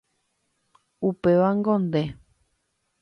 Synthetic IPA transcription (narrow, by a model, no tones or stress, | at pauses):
upeʋaŋɡõnd̪e